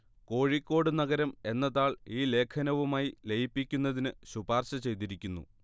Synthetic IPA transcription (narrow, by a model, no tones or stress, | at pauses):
ko̞ːɻikʲːo̞ːɽɨnɐɣɐɾɐme̞nːɐðaːɭiːle̞ːkʰɐnɐʋumaːjile̞jipːikʲːunːɐðinɨɕubaːrɕɐt͡ɕe̞jt̪iɾikʲːunːṵ